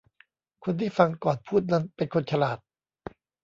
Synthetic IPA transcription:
kʰo˧nt̪ʰiː˥˩fa˧ŋkɔː˨˩npʰuː˥˩t̪̚na˦˥npe˧nkʰo˧nt͡ɕʰa˧laː˨˩t̪̚

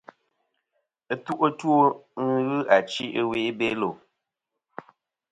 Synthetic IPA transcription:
ə˦tu˦ʔo˦two˦ŋ̩˦ɣɨ˦ʔa˨t͡ʃi˦ʔwe˦ʔbe˦lo˨

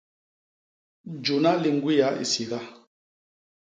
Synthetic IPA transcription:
d͡ʒu˨na˦li˨ŋ˦ɡwi˦ja˨˦ḭ˨si˨ɡa˦

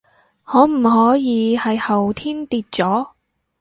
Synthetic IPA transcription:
ŋɔː˨˥m̩˨˩ɦɔː˨˥jiː˨˧hɐ˨jhɐ˨wt̪ʰiː˥nt̪iː˧t̚t͡sɔː˨˥

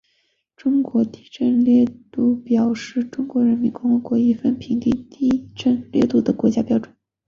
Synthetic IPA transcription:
ʈ͡ʂʊ˥ŋkwɔ˧˥t̪i˥ʈ͡ʂə˥˧nljɛ˥˧t̪u˥˩pjɑ˨˩ʊʂɻ̩˥˩ʈ͡ʂʊ˥ŋkwɔ˧˥ɻə˧˥nmi˧˥nkʊ˥ŋxɤ˧˥kwɔ˧˥i˧˥fə˥˧npʰi˧˥ŋt̪i˥˧˩ŋt̪i˥˩ʈ͡ʂə˥˧nljɛ̰˥˧t̪u˥˩d̪ə˨kwɔ˧˥t͡ɕja˥pjɑ˥ʊʈ͡ʂə˨˩˦n

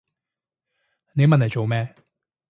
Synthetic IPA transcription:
ne˨˧jmɐ˨nlɐ˨˩jt͡ʃo˨wmɛː˦˥

